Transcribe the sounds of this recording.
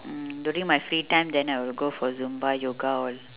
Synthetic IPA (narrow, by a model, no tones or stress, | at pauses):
djuːɾĩŋmaɪfɾiːʈãɪ̃md̪ɛ̃naɪʋɪlɡoːfɔɾzũmbajoːɡaɔːl